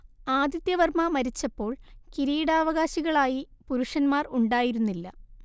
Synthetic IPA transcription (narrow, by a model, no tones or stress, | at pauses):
aːd̪jɐt̪jɐʋɐrmɐmɐɾit͡ɕːɐpːo̞ːɭkiɾiːɽaːʋɐɣaːɕiɣɐɭaːjipuɾuʂɐnmaːruɳɖaːjiɾunːilːɐ̰